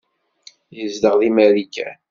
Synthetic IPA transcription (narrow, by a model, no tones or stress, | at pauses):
jəzd̪əʁðimælikːæ̰